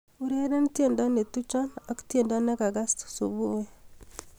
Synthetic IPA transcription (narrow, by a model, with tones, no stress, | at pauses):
u˨ɾe˦ɾe˦nitje˨nda˦ne˨tu˦t͡ʃa˦na˨ku̥tje˨nda˦na˦ka˨ɡa˦stu̥so˨βu˦we˦